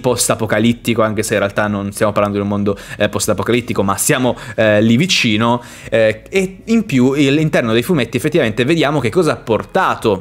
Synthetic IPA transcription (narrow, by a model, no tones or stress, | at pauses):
pɔst̪apokalit̪ːikoaŋkeseinrɾealt̪anːonst̪jaːmopaɾland̪od̪umːond̪opɔst̪apokalit̪ːikomasjaːmolivit͡ʃiːno | eimpjuilint̪ɛrnod̪ejfumet̪ːiefːet̪ːivament̪eved̪jaːmok̟ekːɔːzaapːort̪aːt̪o